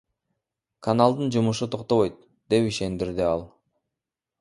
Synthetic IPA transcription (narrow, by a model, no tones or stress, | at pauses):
kʰanalˠd̪ɯnd͡ʒumuʃut̪ʰo̞qt̪o̞βo̞jt̪̚ | d̪e̞piʃe̞nd̪iɾd̪iɑlˠ